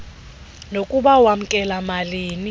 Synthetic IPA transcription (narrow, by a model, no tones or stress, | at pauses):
nokʼuɓawam̩kʼɛlamaliːni